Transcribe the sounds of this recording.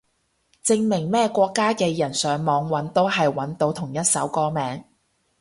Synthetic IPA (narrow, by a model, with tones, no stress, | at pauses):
t͡sɪ˧ŋmɪ˨˩ŋmɛː˥kʷɔː˧kːaː˥kɛː˧jɐ˨˩nsœː˨˧ŋmɔː˨˧ŋwɐ˨˥nt̪o˥wɦɐ˨jwɐ˨˥nt̪o˨˧wt̪ʰʊ˨˩ŋjɐ˥t̚sɐ˨˥wkɔː˧mɛː˨˧ŋ